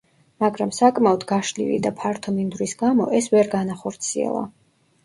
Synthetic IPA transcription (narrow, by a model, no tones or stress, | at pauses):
maɡɾamsakʼmaɔd̪ɡaʃlḭvḭd̪apʰaɾt̪ʰɔmind̪ɾisɡamɔʔɛsvɛɾɡanaχɔɾt̪sʰiɛ̰lˠa̰